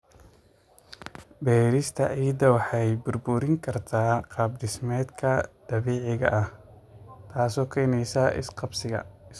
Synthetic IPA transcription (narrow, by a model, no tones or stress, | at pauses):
bɛːɾɪst̪ʰɐʔiːjd̪ɐwɑħɑjbʊrbʊɾɪŋkʰɐrt̪ʰaːqɑːbd̪ɪsmɛːd̪kʰɐd̪̥ɐβɛːʕɪɣɐ̰ʔɐh | t̪ʰaːsɔːkʰɛjnɛjsaʔɪ̰sqɑbsɪɣɐ̰